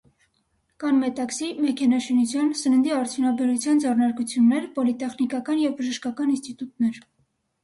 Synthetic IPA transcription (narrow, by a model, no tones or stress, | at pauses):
kɑnmɛt̪ɑksimɛkʰɛnɑʃinut͡sʰjɑnsənənd̪iɑɾt͡sʰjunɑbɛɾut͡sʰjɑnd͡zɛrnɑɾkut͡sʰjunːɛɾpɔlit̪ɛχnikɑkɑnjɛvbəʒəʃkɑkɑninst̪it̪ut̪nɛɾ